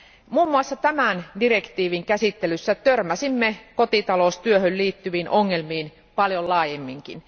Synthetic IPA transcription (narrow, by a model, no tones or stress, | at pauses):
muːmːuɑsːɑt̪æmændirekt̪iːʋiŋkæsit̪ːelysːæt̪ørmæsimːekot̪it̪ɑloˑst̪yøhølliːt̪ːyʋiːnʔoŋːelmiːn | pɑljollɑːjemːiŋkḭn